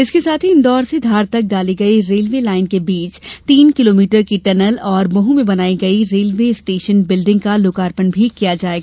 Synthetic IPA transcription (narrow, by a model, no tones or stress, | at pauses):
ɪskesaːt̪ʰiɪ̃nd̪ɔːɾsed̪ʱaːɾt̪ɐk̚ɖaːliɡɐiɾeːlʋeːlaːɪnkebiːt͡ʃt̪iːnkɪloːmiːʈəɾkiʈɐnəlɔːɾbɐɦũmẽbɐnaːiɡɐiɾeːlʋeːɪsʈeːʃənbɪlɖɪ̃ŋɡkaloːkaːɾpənbʱikijad͡ʒaːeːɡaaː